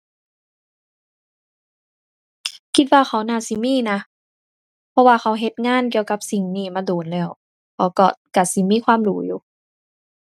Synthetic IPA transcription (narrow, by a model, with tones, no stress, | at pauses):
kʰi˧t̪̚waː˧xa˧˩wnaː˧˩˨si˧˦miː˧˥˨na˧ | pʰɔ˧waː˧xa˧˦wɦe˧˦t̪̚ŋaː˧˥˨nki˧əwka˧p̚si˨˩ŋniː˧˨maː˧˥doː˨˦nlɛː˧˩˨w | kʰa˧˩wkɔ˧˩ka˧˩si˧˦miː˧˥˨kʰwaː˧˥˨mduː˨˦juː˧˦